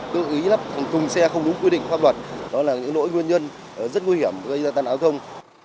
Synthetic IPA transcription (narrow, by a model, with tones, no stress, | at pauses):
t̪ɨ˧ʔi˨˦la˦˥p̚fa˨˩wt̪ʊ˨˩ŋ͡msɛ˧xə˧wŋ͡mɗʊ˨˦ŋ͡mkwi˧ɗḭ˧˨ŋfaː˦˥p̚lwə˨˩t̚ɗɔ˨˦laː˨˩ɲɨ̰˧˥ŋlo̰˧˥jŋwi˧ənɲə˧n | ʔzə˦˥t̚ŋwi˧˩hi˧˩əm˨˩ɣə˧jzaː˧t̪aː˧nʔaː˨˦wt̪ʰə˧wŋ͡m